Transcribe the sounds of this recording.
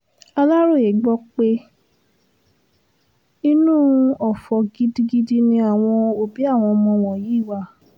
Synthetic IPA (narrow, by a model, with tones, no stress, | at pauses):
a˧la˦ɾo˦˨e˨ɡ͡bɔ˧˦k͡pe˦ | i˦nũː˦˨˧ɔ˨fɔ˨ɡi˧˦di˧˦ɡi˦di˦nĩ˧a˦˨w̃ɔ̃˧o˨bi˨˦a˦˨w̃ɔ̃˧mɔ̃˧w̃ɔ̃˨jiː˨˦˨wa˧˦